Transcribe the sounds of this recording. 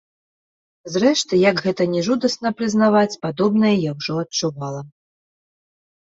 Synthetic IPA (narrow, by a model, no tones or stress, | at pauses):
zrɛʂt̪ɨjɐɡɣɛt̪ɐnʲɛʐud̪ɐsnɐpɾɨznavat͡sʲpad̪ɔbnɐjɐjawʐɔɐtt͡ʂuvalˠɐ